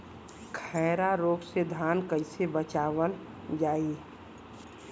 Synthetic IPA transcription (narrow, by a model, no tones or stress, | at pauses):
kʰɛɪɾaɾoːɡsed̪ʱaːnkəɪsebət͡ʃaːʋəl | d͡ʒaːi